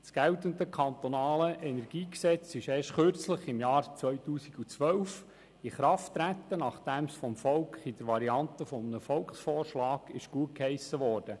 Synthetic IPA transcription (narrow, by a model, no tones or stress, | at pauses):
sɡ̥ɛlt̪əndəkʰɑnt̪ɔnɑːləʔɛnɛɾɡ̥iːksɛt͡sɪʃeːʃtχøɾt͡sləχɪmjɑːɾt͡sʋœɥt̪uːsiɡut͡sʋœwf | iχɾɑftːɾæt̪ːənɑχd̥ɛmsfɔmfɔlkχid̥əɾʋɑɾiɑnt̪əfɔmənəfɔlkχsfɔːrʃlɑːɡ̥ɪʃɡ̥uət̚khɛɪsəʋɔːɾd̥ə